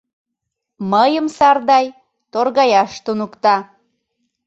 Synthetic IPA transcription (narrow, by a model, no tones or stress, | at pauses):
məjəmsɑrd̪ɑj | t̪orɣɑjɑʃt̪unukt̪ɑ